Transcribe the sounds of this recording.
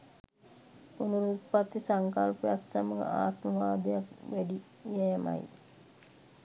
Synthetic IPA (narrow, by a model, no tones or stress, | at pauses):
unuɾut̪pat̪ːisaŋkalpujaksaməɡə̰a̰ːt̪məʋaːd̪ejakʋæɖi | jɛːma̰j